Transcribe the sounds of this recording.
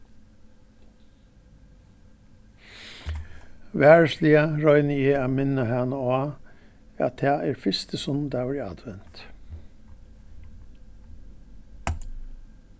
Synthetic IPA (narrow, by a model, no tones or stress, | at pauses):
ʋæːɹəsliəɹɔʏnəeːɑmɪnəhæːnoːɑː | æ̰t̪ʰæːʔeːɹfɪst̪əsɔn̩d̪ɑʉɾɪɑ̰d̪̥ʋɛnt̪